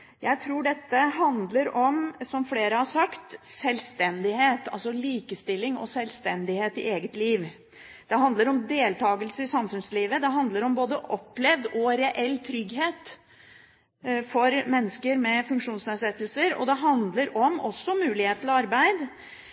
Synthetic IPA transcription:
jæɪt̪ʰɾuːɖɛt̪ːəɦɑnd̪ləɾɔmsɔmfleːɾəhɑɾʂɑkt̪sɛlst̪ɛnd̪ɪheːt̪ɑ̰lsɔliːkəst̪ɪlːɪŋɔ̰sɛlst̪ɛnd̪ɪheːt̪ɪ̰ʔeːɡət̪liːʋ | d̪̥ɛɦɑnd̪ləɾɔmd̪eːlt̪ʰɑːɡəlsəɪsɑmfʉnsliːʋəd̪ɛɦɑnd̪ləɾɔmboːd̪əʔɔpːlɛʋd̪ɔɾɛʔɛlːt̪ʰɾʏɡɦeːt̪ | fɔɾmɛnːəskəɾmɛfʉŋkʂuːnsæʂɛt̪ːəlsəɾɔ̰d̪ɛɦɑnd̪ləɾɔmɔsːɔmʉːlɪheːt̪ʰlɑɾbæɪd̪

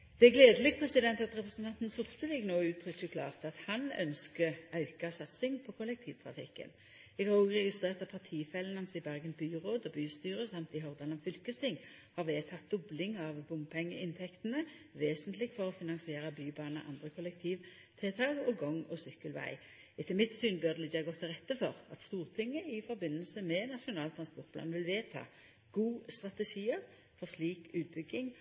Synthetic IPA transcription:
d̪̥ɛæɡleːd̪əlɪɡ̚pʰʁɛsɪd̪ɛnt̪ɑt̪ʁɛpʁɛsənt̪ʰɑnt̪n̩sʊʁt̪əlɪɡnoːʉːt̪ʰʁʏkçʊkʰlɑ̰ːʁt̪ɑt̪hɑnœ̰nskəʔɑʉkɑsɑt̪sɪŋpʰɔkʰʊlɛk̚t̪ʰiːʋt̪ʰʁɑ̰fɪ̰kːə̰n | ɛɡhɑʁoːɡʁɛɡɪst̪ʁeːʁt̪ɑpʰɑʁt̪ʰiːfɛlənɑnsɪbæʁɡənbyːʁoːd̪ɔbyːst̪yːʁəsɑmt̪ɪɦɔʁd̪eːlnɑʋfʏlkəst̪ɪŋ | hɑʁʋeːt̪ʰɑt̪̚d̪ʊblɪŋɑʋbʊmpʰɛŋːəʔɪnt̪ʰɛkt̪ənəʋeːsənt̪lɪɡfɔʁɔfɪnɑnsɪeːʁəbyːbɑːnə̰ʔɑ̰nd̪ʁəkʰʊlɛk̚t̪ʰiːʋ | t̪ʰɪt̪ʰɑːɡɔɡɔŋɔsʏkːəlʋæ̰ɪ | ɪt̪ʰːɪmɪt̪syːnbœʁd̪ɛlɪçːəɑɡɔt̪ʰːɪlʁɛt̪ːəfɔʁɑ̰t̪st̪uːʁt̪ʰɪŋːəɪfɔʁbɪnːəlsəmɛnɑʃʊnɑːlt̪ʰʁɑnspɔʁt̪pʰlɑ̰ːnʋɪlʋeːt̪ʰɑ̰ː | ɡ̥uːst̪ʁɑt̪əʃiːəʁ | fɔʁsliːkʉːt̪̚bʏɡɪŋ

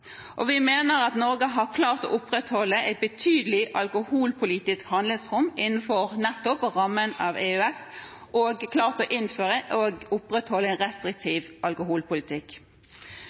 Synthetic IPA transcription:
ʔɔʋɪmeːnəɾɑt̪nɔɾɡəɦɑʁkʰlɑːʁt̪ɔ̰ːʔʊpɾɛt̪hɔlːəʔɛɪt̪̚bət̪ʰyːd̪əlɪʔɑlkʊhuːlpʰʊliːt̪ɪskhɑnd̪lɪŋsʁʊmɪnn̩fɔʁnɛt̪ːɔpɾɑmːənɑʋeːʉɛs | ʔoɡkʰlɑːʁt̪oːʔɪnføːʁəʔoɡʊpɾɛt̪hɔlːəæɪnʁɛst̪ɾɪkt̪ʰiːʋɑlkʊɦuːlpʊlɪt̪ʰɪkː

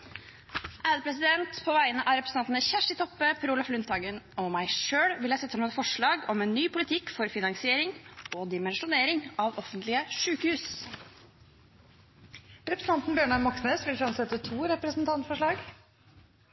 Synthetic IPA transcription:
ʔæːd̪pʰɾɛs̬ɪd̪ɛnt̪pʰoːʋæɪənəʔæɾɛpɾəsnɑnt̪nəçæʂʈɪt̪ʰɔpːəpʰɾuːlɑflʉnt̪ɑːɡənɔmæɪʂøːɽʋɪljæɪsɛt̪ːəlɔmɛt̪fɔʂɭɑːɡɔmɛnːyːpʊlɪt̪ʰɪkːfɔɾfɪnɑŋsɪeːɾɪŋɔd̪ɪmɛnʂʊneːɾɪŋɑʋɔfənt̪lɪəʂʉːkəhʉːs | ɾɛpɾəsn̩ʰɑnt̪n̩bjøːɳɑmɑksneːsʋɪlfɾɑmsɛt̪ːət̪ʰuːɾɛpɾəsnt̪ʰɑnt̪fɔʂɭɑːɡ

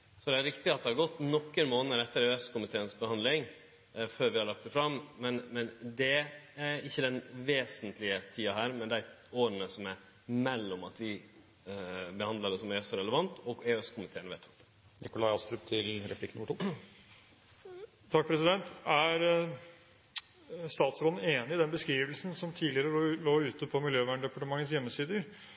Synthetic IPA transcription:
sɔd̪ɛæɾɪkt̪ɪɑt̪̚d̪ɛhɑɾɡɔt̪ːnɔkːəɾmoːnəɾɛt̪ːəɾøɛskʊmɪt̪ʰeːənsbəhɑnd̪lɪŋ | føːɾʋɪhɑɭɑk̚t̪ɛfɾɑmmɛnmɛnd̪ɛæɪçːəd̪ɛnʋeːsənt̪lɪət̪ʰiːɑɦæːɾmɛnd̪æɪ | oːɾənəsɔmæɾ | mɛlːɔmɑt̪ʋɪ | bəhɑnd̪lɑɖ̪ɛsɔmɛsɔɾɛləʋɑnt̪ɔɡeːøskʰʊmɪt̪ʰeːəɳəʋɛːt̪ʰɑ̥k̪t̪ | nɪkʊlɑɪɑst̪ɾʉːpt̪ʰɪlɾɛpʰlɪkənʊmːəʈuː | t̪ʰɑk̚pʰɾɛsɪd̪ɛnt̪æɾ | st̪ɑːt̪sɾoːd̪n̩eːnɪɪd̪ɛnbəskɾiːʋəlsn̩sɔmt̪ʰiːlɪəɾəloːʉːt̪əpʰɔmɪljøːʋæːɳɖ̪ɛpɑʈəmɑŋːəsjɛmːəsiːd̪əɾ

